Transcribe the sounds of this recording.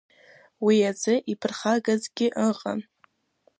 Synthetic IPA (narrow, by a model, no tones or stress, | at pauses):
wiad͡zɨʔipʰɨrχaɡazɡʲɪʔəqʼa̰n